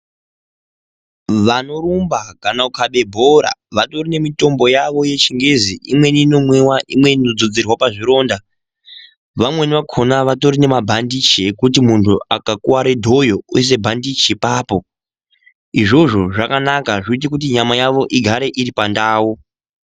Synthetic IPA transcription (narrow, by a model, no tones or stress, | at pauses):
ʋano̞ɾumbaɡʱanaukʰaɓe̞bʱoɾa̰ʋato̞rine̞mito̞mbo̞jaʋo̞je̞t͡ʃiŋɡeziʔimwe̞nino̞mwewaʔimwe̞ninod͡zod͡zirwapaʐiɾo̞ːnda | ʋamwe̞niʋakʰo̞naʋato̞rine̞mabʱandit͡ʃiekut̬imuntʰuakakuwaɾedʱo̞jo̞uis̬e̞bʱandit͡ʃepaːpo̞ | iʐo̞ʐo̞ʐakanakaʐiit̬ikut̬iɲamajaʋo̞ʔiɡʱaɾe̞ʔiɾipandaːwu